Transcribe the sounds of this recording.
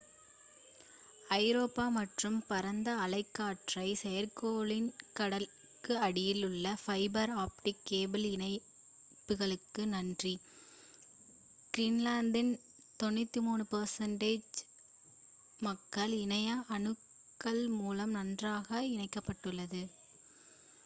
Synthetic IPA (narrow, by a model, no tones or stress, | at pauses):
ɐɪɾoːpːaːmɐʈrɯmpɐɾɐnd̪ɐːlɐɪkːaːʈrɐɪsɛjɐɾkoːlɪnkɐɽɐl | kɯɐɽɪjɪlɯɭːɐfɐɪbɐɾaːpʈɪkːeːbɪlɪnɐɪ | pːɯɣɐɭɯkːɯnɐndri | kɾɪnlaːnd̪ɪn | t̪ɔnːɯt̪ːimuːɳɯpɐɾsɐɳɖeːd͡ʒ | mɐkːɐɭɪnɐjaʔɐnɯkː | ɐɭmuːlɐmnɐndraːɣɐɪnɐɪkːɐpːɐʈːɯlːɐðɯ